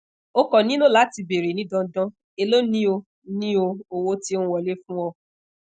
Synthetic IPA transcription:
o˦kɔ˨nĩ˦nũ˦la˨˦ti˧be˨ɾe˨nĩ˦dɔ̃˧˦dɔ̃˦ | e˧lo˦nĩ˦o˧ | nĩ˦o˧o˧wo˦tĩ˦wɔ˧le˦fũ˦ɔ˧

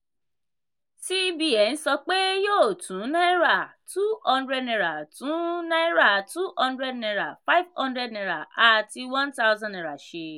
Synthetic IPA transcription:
si˦bi˦˨ɛ˨ñ̩˦sɔ˧k͡pe˦joː˦˨tũ˨˦nã˦ɾa˦˨tu˦hɔ̃˦˧ndɾɛ˦dnɛ̃˧ɾa˨tũ˨˦nã˦ɾa˦˨tu˦hɔ̃˧ndɾɛ˦dnɛ̃˧ɾa˨fa˦jvhɔ̃˦ndɾɛ˦dnɛ̃˧ɾa˨a˨ti˧wã˦nta˦wzã˦nɛ̃˨ɾa˨ʃe˧

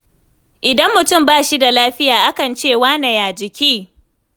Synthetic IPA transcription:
ʔɪ˨dɐ˦mːʊ˨tʊ˦˨mbaː˦˨ʃi˦da˨laː˦ɸɪ˦jaː˨ʔa˦kɐ˨nt͡ʃeː˦˨waː˦nɐ˨jaː˨d͡ʒɪ˨kʲiː˦

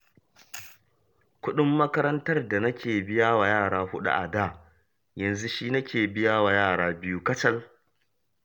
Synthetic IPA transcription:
kʷʊ˦ɗʊ˦mːɐ˦kɐ˦ɾɐ˦ntɐ˦rda˨nɐ˦kʲeː˨bɪ˦jaː˦wa˨jaː˦˨ɽaː˦ɸʊ˦ɗa̰˦ʔa̰˨daː˦ | jɐ˨nzu˦ʃiː˦nɐ˦kʲʰeː˨bɪ˦ja˦wa˨jaː˦˨ɽaː˦bɪ˦ju˦kɐ˦t͡ʃɐ˦l

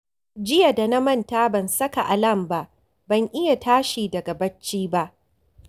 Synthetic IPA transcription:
d͡ʒɪ˦ja˨da˨na˦mɐ˦ntaː˦bɐ˨nsɐ˦ka˨ʔa˨lɐ˦˨mba˦ʔ | bɐ˨ŋʔɪ˦ja˨tʰaː˦ʃiː˨dɐ˨ɡa˨bɐ˦t͡ʃːiː˦ba˦ʔ

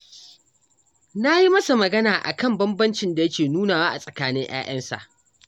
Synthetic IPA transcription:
na˦ji˦mɐ˦sa˨mɐ˨ɡɐ˦naː˨ʔa̰˨kɐ˦˨mbɐ˦mbɐ˦nt͡ʃɪ˨nda˨jɐ˦kʲeː˨nuː˦naː˨waː˦ʔa˨sʼɐ˨kaː˦nɪ˦ŋj̰a̰ː˦j̰ɐ˦nsa̰˨ʔ

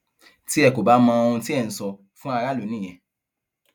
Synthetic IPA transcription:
ti˦ɛ˦˨ko˨ba˨˦mã˧o˧ũ˧ti˦ɛ˦˨n̩˨sɔ˧ | fũ˦a˧ɾa˦˨lo˨˦nĩ˦˨ɛ̃˧

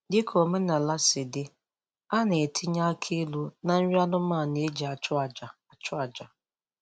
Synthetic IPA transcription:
dɪ˦kʰo˨me˦na˨la˦sɪ˨dɪ˦ | a˦ne˨e˨tʰɪ˦ɲa˦kʰe˦lu˦na˨n̩˦ɾi˦a˦nʊ˦ma˦˨ne˨e˦d͡ʒi˨a˨t͡ʃd͡ʒa˨a˨t͡ʃʊ˦a˨d͡ʒa˨

